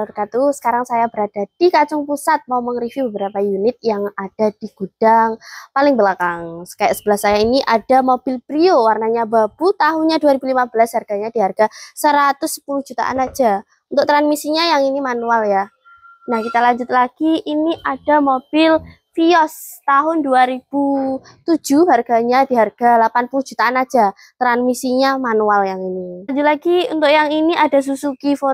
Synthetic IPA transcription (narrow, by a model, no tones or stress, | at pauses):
ɾkat̪usə̥kaɾaŋsajabəɾad̥ad̥ikat͡ʃʊŋpusat̪̚mauməŋrifjubəbəɾapajunɪt̪̚jaŋad̥ad̥iɡ̥ud̥aŋpalɪŋbəlakaŋsə̥kajsəb̥əlasːajainiʔad̥amob̥ɪlpɾiowarnaɲabab̥ut̪aɦuɲaduaɾibulimabəlashɦarɡ̥aɲadiɦarɡ̥asəɾat̪ʊsːə̥pulʊhd͡ʒ̥ut̪a̰ʔa̰nak̚d͡ʒ̥a | unt̪ʊk̚t̪ɾanmisiɲajaŋinimanualja | nahkit̪alaɲd͡ʒʊt̪̚laɡ̥iʔːniʔad̥a̤mob̥ɪl | fiɔst̪aɦʊnduaɾib̥u | t̪u̥d͡ʒ̥uɦarɡ̥aɲadiɦarɡ̥alapanpulʊhd͡ʒ̥ṳt̪aanḁd͡ʒa | t̪ɾanmisiɲamanualjaŋiniɲd͡ʒʊt̪̚laɡiṵnt̪ʊkjaŋiniʔadas̬usukifo